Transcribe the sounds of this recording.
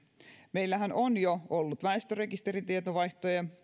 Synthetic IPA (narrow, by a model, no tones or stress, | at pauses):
me̞jlːæɦænonjoolːut̪ʋæest̪øre̞kist̪e̞ɾit̪iet̪oʋɑjht̪ojɑ